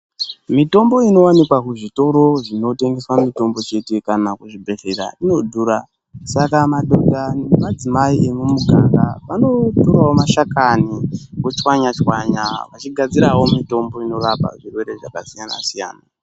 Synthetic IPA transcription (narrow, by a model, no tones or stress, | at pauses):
mito̞mbo̞ino̞wanikwakuʐito̞ɾo̞ʐino̞te̞ŋɡeswamito̞mbo̞t͡ʃe̞te̞kanakuʐibʱeɣeɾa̰ino̞dʱuːɾa | sakamaɗodʱaemad͡zimaiʔemwumuɡʱaŋɡapano̞toɾwaomaʃakanikot͡ʃwaɲat͡ʃwaɲa̰ʋat͡ʃiɡʱad͡ziɾawo̞mito̞mbo̞ino̞rapa̰ʐirwe̞ɾe̞ʐakasijana̰sija̰ːna